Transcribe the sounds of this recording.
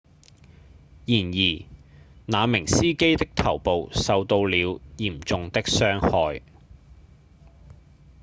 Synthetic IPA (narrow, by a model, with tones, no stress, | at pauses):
jiː˨˩njiː˨˩naː˨˧mɪ˨˩ŋsiː˥ke˥jt̪ɪ˥k̚t̪ʰɐ˨˩wpo˨wsɐ˨wt̪o˧wliː˨˧wjiː˨˩mt͡sʊ˨ŋt̪ɪ˥k̚sœː˥ŋhɔː˧j